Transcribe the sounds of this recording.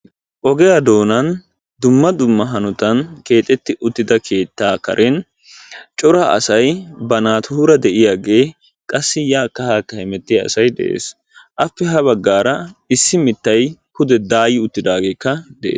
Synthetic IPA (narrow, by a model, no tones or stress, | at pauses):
ʔɔɡɛjɐd̪o̞ːnɐn | d̪ʊmːɐd̪ʊmːɐɦɐnʊt̪ɐnke̞ːt̪ʼːɛt̪ːɪʔʊt̪ːɪd̪ɐkʰe̞ːt̪ːaːkɐ̰ɾʔɛn | t͡ʃʼɔɾaʔɐ̰sɐjbɐnaːt̪ʊhuːɾɐd̪ɛʔɪjaːɡe̞ː | kʼɐsːɪjaːkːɐhaːkːɐhɪmɛt̪ːɪjɐɐ̰sɐjd̪ɛ̰ʔḛːs | ʔɐfːɛɦɐbɐɡːaːɾɐɪsːɪmɪt̪ːɐjkʊd̪ɛd̪aːjɪʊt̪ːɪd̪aːɡe̞ːkːɐd̪ɛʔeː